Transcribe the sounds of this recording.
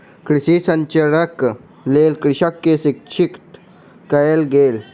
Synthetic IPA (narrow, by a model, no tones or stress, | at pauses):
kɾisisɐ̃ɲt͡ɕəɽək | lelkɾiɕəkːesik̚t͡ɕʰikt̪ | kəjelɡel